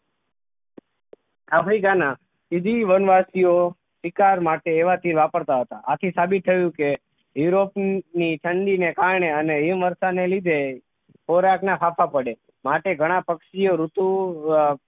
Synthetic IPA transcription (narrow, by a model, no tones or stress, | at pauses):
apʰɾikana | id̪ʱiʋənʋasio | sikaɾmaʈeːʋat̪iɾʋapəɾt̪aɦət̪aʔat̪ʰisabit̪ʰːəjũke | juɾopniʈʰəɳɖinekaɾɳeəneɦimʋəɾsanelid̪ʱe | poɾaknapʰapʰapəɽe | maʈeɡʱəɽ̃apəkʃioɾut̪u